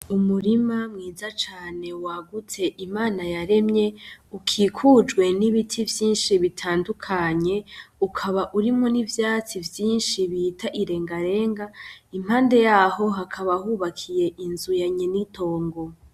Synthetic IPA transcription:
umuɾimamŋiːzat͡ʃaːne̞waɡutʰe̞ʔimaːnajaɾe̞mɲe̞ukʰiːkʰud͡ʒɡwe̞niβitʰivjiːnʃiβitʰaːndukʰaɲe̞ukʰaβaʔuɾimŋo̞nivjaːt͡sivjiːnʃiβitʰaʔiɾe̞ːŋɡaɾe̞ːŋɡaimhaːnde̞jaːɦo̞ɦakʰaβahuːβakʰije̞ʔinzujaɲenitʰo̞ːŋɡo̞

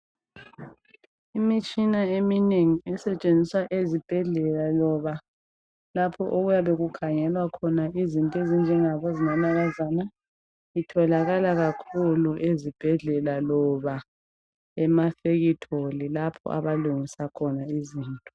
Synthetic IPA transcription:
imit͡ʃʼinaemineŋiɛsɛt͡ʃʼend͡zʱiswaʔezib̥ʱɛɮɛlalɔβa | lapʰɔ̰ʔoɣujaβeɣukʰaŋɛlwakʰɔnaizintʼezind͡ʒʱɛŋaβɔzinanaɣazana | itʰɔlaɣalaɣakʰuluʔezib̥ʱɛɮɛlalɔβa | ɛmafeɣitʰolilapʰɔ̰ʔa̰βaluŋisakʰɔnaiziːntʼɔ̥

